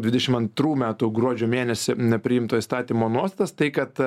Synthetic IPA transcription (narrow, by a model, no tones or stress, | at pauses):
dʲʋʲɪd̪ʲɛʃʲɪmɐnt̪ɾuːmʲæːt̪uːɡɾuɔd͡ʒʲoːmʲeːnʲɛsʲɪnʲɛpʲɾʲɪɪmt̪oːist̪ɑːt̪ʲiːmoːnuɔst̪ɑt̪ɐst̪ɐɪkɐt̪